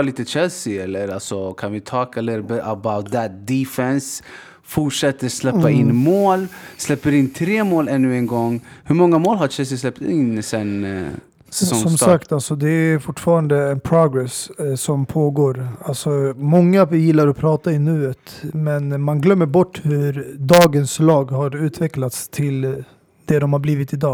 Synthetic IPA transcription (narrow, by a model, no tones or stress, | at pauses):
liːt̪ət͡ʃɛlsɪɛlːəɾalsɔkʰanvɪt̪ʰɑːkɛlːəɾbəbaʊt̪̚d̪æt̪̚d̪ifɛns | fʊʈʂɛt̪ːəɾslɛpːaɪnːmoːlslɛpːəɾɪnːt̪ʰɾeːmoːlɛnːʉɛnɡɔŋːhɵɾmɔŋːamoːlɦaɾt͡ʃʰɛls̬ɪslɛpt̪ɪnːsɛn | sɔmsakt̪alsɔd̪ɛæɾfʊʈːfɑːɾand̪əɛnpʰɾʊɡɾɛssɔmpʰoːɡoːɾalsɔmɔŋːavɪjɪlːaɾɔpʰɾɑːt̪aɪnʉ̟ːət̪mɛnmanɡlœmːəɾbɔʈːhɵɾd̪ɑːɡənslɑːɡɦaɾʉ̟ːt̪ʰvɛklat̪st̪ʰɪl | d̪̥ɛd̪ɔmhaɾbliːvɪt̪ɪd̪ɑː